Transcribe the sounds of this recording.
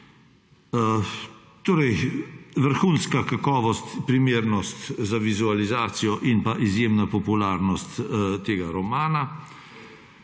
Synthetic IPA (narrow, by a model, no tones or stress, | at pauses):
t̪oːɾɛjʋəɾxuːnskakakɔːʋɔst̪pɾimeːɾnɔst̪zaʋizualizaːt̪sijɔʔinpaʔizjeːmnapɔpulaɾnɔst̪t̪eːɡaɾɔmaːna